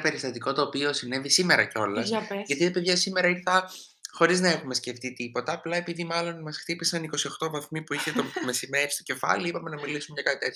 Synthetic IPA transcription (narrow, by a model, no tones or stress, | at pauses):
ɐpe̞ɾist̪ɐt̪iko̞t̪o̞ːpio̞sine̞visime̞ɾɐceo̞lɐsʝɐt̪it̪ɐpeðʝɐsimeɾɐiɾθɐ | xo̞ɾiznɐe̞xume̞sce̞ft̪it̪ipo̞t̪ɐːplɐe̞piðimɐlo̞nmɐsxt̪ipisɐniko̞sio̞xt̪o̞vɐθmipuiçet̪omesimeist̪oce̞fɐ̰liipɐme̞nɐmilisunɲɐkɐt̪it̪et̪ç